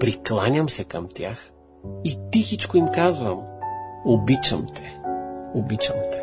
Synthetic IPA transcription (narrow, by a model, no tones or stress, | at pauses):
pɾiklˠanʲəmsɛkɐmt̪ʲjax | it̪ixit͡ʃkoimkazvɐmobit͡ʃə̰mt̪ʰɛ̥obit͡ʃəmt̪ɛ̥